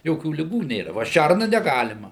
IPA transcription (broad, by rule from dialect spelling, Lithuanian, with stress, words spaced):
ˈjoːkʲuː lʲɪˈɡuː ˈnʲeːrɐ ˈʋɐ ˈʃʲærnɐ nʲɛˈɡɑːlʲɪmɐ